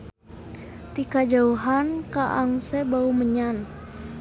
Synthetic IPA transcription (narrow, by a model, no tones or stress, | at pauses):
t̪ikad͡ʒauɦankaʔaŋsɛbauməɲan